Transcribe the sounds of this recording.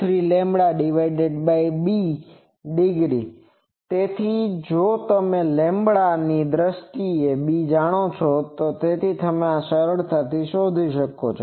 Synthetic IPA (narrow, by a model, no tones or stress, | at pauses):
t̪ʰɾilẽmbɽaɖɪʋaiɖeɖbaibi | ɖɪɡɾḭ | t̪et̪ʰid͡ʒot̪əmelẽmbɭanid̪ɾəst̪iebid͡ʒaɽ̃ot͡ʃʰot̪ot̪et̪ʰit̪əmeasəɾəɽt̪at̪iʃod̪ʱiʃəko̰t͡ʃʰo